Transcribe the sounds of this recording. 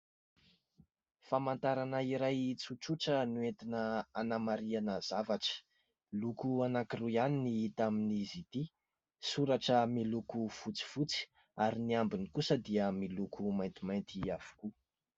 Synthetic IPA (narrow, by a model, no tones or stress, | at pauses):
famant̪aɾanəiɾajt͡suʈ͡ʂuʈ͡ʂənuet̪inəanamaɾianəzavaʈ͡ʂə̥ | lukuanakirujaniniit̪aminizit̪i | suɾaʈ͡ʂəmilukufut͡si̥fut͡si̥ | aɾiniambinikusəd̪iəmilukumajnt̪imajnt̪iav̥u̥ku